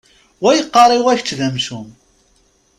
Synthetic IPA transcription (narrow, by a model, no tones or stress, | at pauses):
wæjəqːɑɾˤiwæçt͡sːðæmʃum